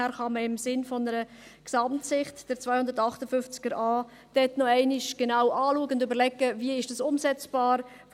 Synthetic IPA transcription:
æːɾχɑməɪmsɪnfɔnəɾə | ksɑmtsɪχtd̥əɾt͡svaɪhʊnd̪ətɑχtəfʏft͡sɡ̥əɾɑː | d̥ɛtnɔɛɪnɪʃɡ̥enawʔɑːluəɡəʊndøbəɾlɛɡəviəɪʃd̥ɑsʊmsɛt͡sb̥ɑːɾ

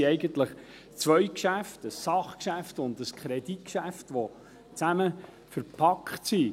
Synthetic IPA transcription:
iɛɪɡənt̪ləχ | t͡sʋœʏkʃæftəsːɑχkʃæftʊndəskʰχɾɛd̥it̚kʃæftʋo | t͡sæmə | fəɾpʰɑkχtsi

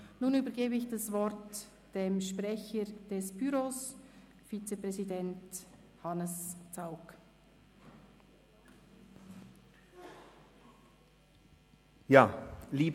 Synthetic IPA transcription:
nuːnyːbəɾɡeːbəɪçd̥asvɔɾt | d̥emʃpʁɛçəd̥ɛsb̥yɾoːs | fit͡sepʁɛzidɛnt | hɑnəst͡saʊk | jaːliː

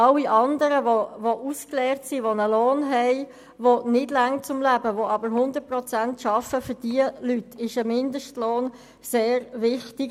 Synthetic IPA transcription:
ɑlːiʔɑndəɾəvoʋoʔusklɛːʁtsiʋonəloːnɦɛɪ | vonɪdlaŋt͡sʊmlæbəʋoɑbəɾɦʊndət̚pʁɔt͡sæntʃɑfəfʏd̥iəlytʰɪʃəmɪndəʃtloːn | seːɾʋɪχtɪɡ

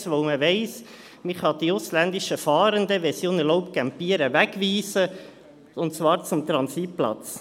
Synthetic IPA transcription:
sʋoʊməʋɛɪs | mɪχhɑd̪̥iʊslænd̪ɪʃəfɑːɾənd̪əʋɛsjonəlɔʊpkæmpiːəɾəʋækʋiːsə | ʊntt͡svɑːɾt͡sʊmt̪ɾɑnsit̚plɑ̰t͡s

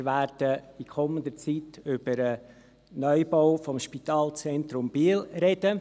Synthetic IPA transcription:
ɾʋæːɾd̥əikʰɔmənd̪ət͡siːtʏb̥əɾə | nœʏboʊfɔmʃpit̪ɑːlˠt͡sɛnt̪ɾʊmb̥iːlɾɛd̥ə

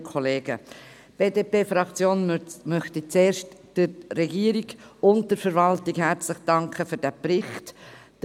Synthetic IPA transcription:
kʰɔleːɡ̥ə | b̥eːdeːpeːfɾɑkt͡sjoːnmœχtit͡seːɾʃtd̥əːɛɡiːəɾiɡʊnt̚d̥əɾfəɾvɑltɪkhæɾt͡sləχd̥ɑŋkχəføɾd̥æpɾɪχt

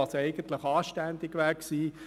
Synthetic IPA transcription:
ɑsɛɪɡ̥ən̩t̪lɪχɑːʃtænd̪ɪɡʋæksiː

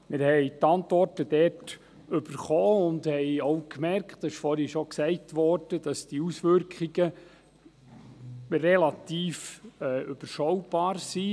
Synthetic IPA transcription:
mɪɾhɛɪtɑntʋɔrtəd̥ɛt | ʏb̥əɾχɔːʊndhɛɪɔwkmɛɾkχtɛʃfɔɾhiʃɔksɛɪtʋɔɾd̥əd̥ɑsd̥iusʋʏɾkχiɡ̥ə | rɛlɑt̪iːfɛːʔʏb̥əɾʃɔwb̥ɑːɾsi

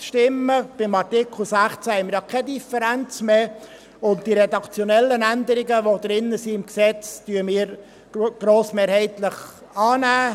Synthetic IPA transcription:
ʃtɪmːəb̥ɪmɑrtɪkʰl̩ˠsæχt͡sæhɛɪməɾjɑkʰɛd̪ifəɾænt͡sme | ʊnt̚d̥iɾɛd̪ɑkt͡sjonɛlːənænd̪əɾɪɡəʋod̪ɾɪnːəsiɪmksɛt͡styːəmɪːɾ | ɡ̥ɾoːsmeːɾhɛɪt̪ləχ | ɑːnæː

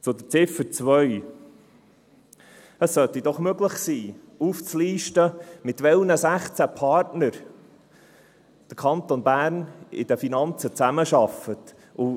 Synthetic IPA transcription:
t͡sod̪ət͡sɪfət͡svœʏ | əsːœt̪id̥̪ɔχmøɡləχsiː | uːft͡sliːʃtəmɪt̪vʋɛlnəsæχt͡sæpʰɑɾtnəɾ | d̥əɾkʰɑnt̪onbæːɾnɪ̰d̥əfinɑnt͡sət͡sæməʃɑfət̪ | ʊ

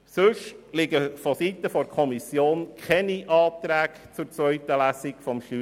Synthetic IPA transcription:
sɵʃlɪɡəfɔsit̪əfɔɾkʰɔmisjoːnkʰɛniʔɑːt̪ɾæːk | t͡sʊɾt͡sʋœʏtəlæsikfɔmʃty

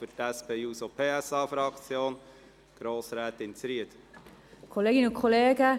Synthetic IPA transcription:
fyɾtæspʰeːuːsopʰeːɛsɑːfɾɑkt͡sjoːn | ɡ̥ɾoːsɾɛːt̪ɪnt͡sɾiət̪ | kʰoleːɡɪnʊnkʰɔleːɡə

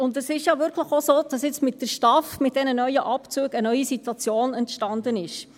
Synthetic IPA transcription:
ʊndɛsɪʃjɑʋɪɾkʰləχosoːd̥ɑsjɪt͡smɪt̚d̥əɾʃtɑfmɪt̚d̥ɛnənœʏəʔɑpt͡suːɡənœʏisitwɑt͡sjoːnɛntʃtɑndənɪʃ

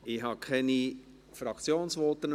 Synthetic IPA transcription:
ɪɦɑkʰɛni | fɾɑkt͡sjoːnsʋɔt̪ːən

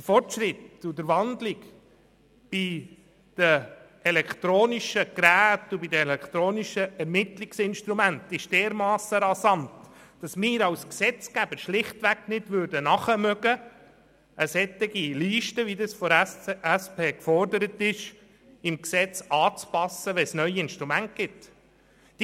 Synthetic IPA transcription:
d̥̪əfɔrtʃɾɪt̪ud̪əɾʋɑnd̪lɪk | b̥i | d̪̥ə | ɛlɛkt̪ɾoːniʃəkɾæːtubidəɛlɛkt̪ɾoːniʃəɛɾmɪt̪lɪksɪnʃt̪ɾumænt̪ɪʃd̥ɛːɾmɑːsəɾɑsɑntd̥ɑsmɪːɾɑwsksɛt͡skæbəɾʃlɪχt̪ʋæknɪd̥ʋʏɾdənɑχəmœɡə | əsɛt̪ːɪɡiliːʃtəʋid̪ɑsfɔɾæspʰeːkfɔrdəɾət̪ɪʃ | ɪmksɛt͡sɑːt͡spɑsːəʋɛsnœʏiɪnʃtɾumænt̚ɡ̥ɪt | d̥

